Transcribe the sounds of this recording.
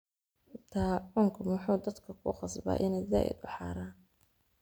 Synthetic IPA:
t̪ʰaːʕʊːŋkʰʊmʊħuːd̪ɐd̪kʰɐkʰʊ̰qɑsba̰ːʔɪnɛjd̪a̰ːʔɪ̰d̪̚ʊħɑ̰ːɾaːn

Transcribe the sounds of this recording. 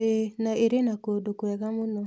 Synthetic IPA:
enaeɾenakodokwɛɣamonɔ

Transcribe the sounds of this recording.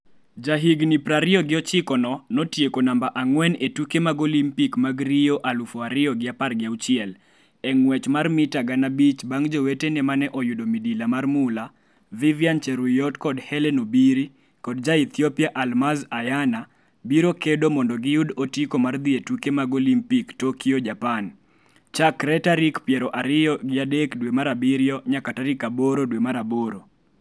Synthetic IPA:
d͡ʒaɦiɡnipɾaɾɪɔɡɪɔt͡ʃɪkɔnɔnɔtjekonambaʔaŋwɛnetukemaɡolimpikmaɡɾijoʔalufɔaɾɪɔɡɪaparɡɪaut͡ʃɪɛl | ɛŋwɛt͡ʃmarmɪtaɡanabit͡ʃbaŋd͡ʒowetenɛmanɛʔɔjudomidilamarmʊla | vivjant͡ʃɛɾʊjɔtkɔdhɛlɛnobiɾi | kɔdd͡ʒait̪ʰjɔpiaʔalmazajana | biɾokedomɔndɔɡɪjʊdotikomard̪ietukemaɡolimpiktokiod͡ʒapan | t͡ʃakɾɛtaɾikpjɛɾɔʔaɾɪjɔɡɪadekdwemaɾabiɾjɔɲakataɾikaboɾodwemaɾaboɾo

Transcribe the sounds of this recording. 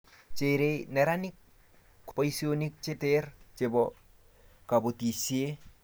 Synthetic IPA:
t͡ʃeɾenɛɾanɪk̚ː | pɔisionik̚t͡ʃetert͡ʃebɔ | kabotisie

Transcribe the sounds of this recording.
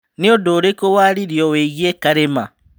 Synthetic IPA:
niodoɾekowaɾiɾjɔweɣjekaɾema

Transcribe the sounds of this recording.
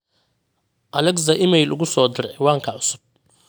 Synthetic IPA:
ʔɐlɛɡzɐʔɪmɛjlʊ̰ɣʊsɔːd̪ɪɾʕɛwaːŋkʰɐʕʊsʊ̥b̥̚

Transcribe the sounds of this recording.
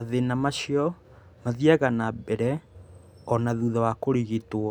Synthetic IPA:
aðenamaɕiɔ | maðiɛɣanabɛɾɛ | ɔnaðuðawakoɾiɣitwɔ

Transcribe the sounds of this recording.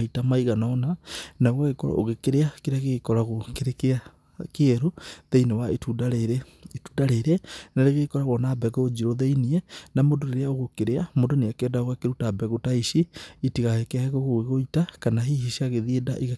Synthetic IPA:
itamaiɣanɔnanaɣaɣekɔɾa̰ʔo̰ɣekeɾeakeɾaɣekɔɾaɣokeɾekea | keɛɾuðeinewaetudaɾeɾe | tudaɾeɾenaɾeɣekɔɾaɣɔnabɛɡɔd͡ʒiɾoðeiniɛnamondoneɾeaoɣokeɾeamondoneakeɛdaoɣakeɾutabɛɣotaiʃiːtiɣahekeaeɣoɣoɣeɣoitakanaɦihiʃiaɣeðiedaʔiɣa

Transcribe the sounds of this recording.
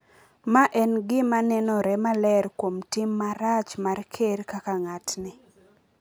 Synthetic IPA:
maʔɛnɡɪmanɛnɔɾɛmalɛrkwomtɪmːaɾat͡ʃmarkʰeɾkakaŋatnɪ

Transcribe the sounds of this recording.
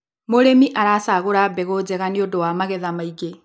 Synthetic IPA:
moɾemiʔaɾaːsaɣoɾabɛɣoːd͡zɛɣaniodowaːmaɣɛðamaiɡe

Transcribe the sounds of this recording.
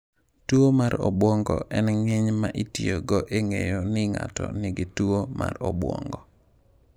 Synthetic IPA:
tuomaɾɔbwɔŋɡɔʔɛnŋɪɲmaʔitioɡɔʔeŋḛjonɪŋa̰tɔnɪɡɪtuwoma̰rɔbwɔ̰ŋɡɔ

